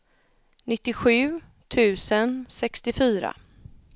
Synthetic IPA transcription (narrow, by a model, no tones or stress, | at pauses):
nɪt̪ːɪɧʉ̟ː | t̪ʰʉ̟ːsənsɛkst̪ɪfyːɾa̰